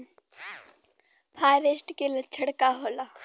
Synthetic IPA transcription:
pʰaːɾesʈkelɐt͡ʃʰəɽkaɦoːla

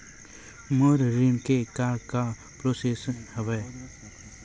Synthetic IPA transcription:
məɾɾimkekaːɾka | pɾoːseshəʋɛː

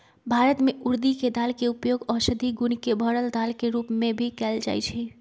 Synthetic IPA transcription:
bʱaɾət̪meʔuɾd̪iked̪alkeupjoɡɔsəd̪ʱiɡunkebʱəɽəld̪alkeɾupmẽbʱikɛld͡ʒa̰jt͡ʃʰi

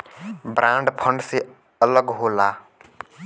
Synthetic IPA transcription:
bɾãːɳɖpʰəɳɖse | ələɡɦoːlaː

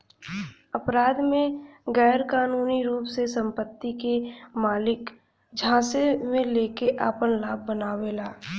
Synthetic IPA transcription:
əpɾaːd̪mẽɡɛːɾkaːnuːniɾuːpsesə̃mpət̪ːikemaːlɪk | d͡ʒʱãːsemẽleːkeʔaːpənlaːb̚ːənaːwelaː

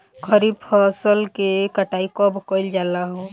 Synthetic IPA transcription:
kʰəɾibpʰɔːsəlkekəʈaːikɔbəkɔld͡ʒaːlaɦoː

